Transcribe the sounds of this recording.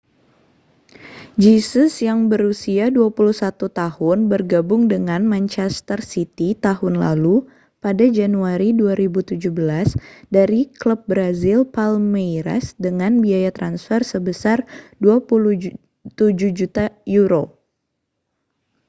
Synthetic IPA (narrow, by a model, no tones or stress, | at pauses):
d͡ʒisəsjaŋbəɾusiaduapuluhsat̪ut̪ahʊnbərɡabʊŋdəŋanmaɲt͡ʃɛst̪ərsit̪it̪aɦʊnla̰lu | padad͡ʒanuaɾiduaɾibut̪ud͡ʒuhbəlasdaɾikləp̚bɾazilpalmejɾa̰sdəŋanbiajat̪ɾansfərsəbəsarduapulu | t̪ud͡ʒuhd͡ʒut̪ajuɾo